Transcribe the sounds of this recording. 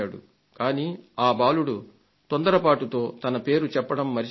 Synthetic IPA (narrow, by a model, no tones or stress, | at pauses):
aːɽṵ | kaːniːaːbaːluɽu | t̪ond̪ɐɾɐpaːʈut̪o̞ːt̪ɐnɐpe̞ːɾut͡ʃɛpːɐɽɐmːɐɾi